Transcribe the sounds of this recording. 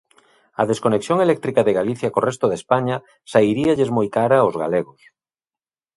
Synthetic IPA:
a̰ðeskoneksjoŋelɛk̚t̪ɾikaðeɣaliθjakorɛst̪oðespaɲa | saiɾiaʎezmojkaɾaozɣa̰leɣos

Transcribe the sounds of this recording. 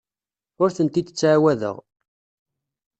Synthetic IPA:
ʊɾθənt̪id̪ət͡sːʕawæðə̰ʁ

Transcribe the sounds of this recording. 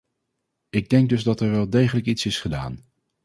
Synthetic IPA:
ɪɡ̚dɛŋɡ̚dɵzdɑtɛɹʋɛlˠdejχələkitsɪsχəda̰ːn

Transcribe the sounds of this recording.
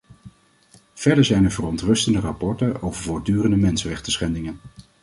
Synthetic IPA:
v̥ɛɹdəɹzɛjnəɹvərɔntrɵstəndərapɔɹtənowvəɹvʊːɹdyːrəndəmɛnsərɛχtəsχɛndɪŋən

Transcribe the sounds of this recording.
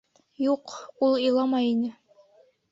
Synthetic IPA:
juqulˠɤ̆jlˠɑmɑjinɘ

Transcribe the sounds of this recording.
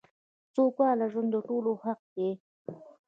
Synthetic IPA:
t͡sokwɑlaʒand̪əʈolohaq̚d̪e

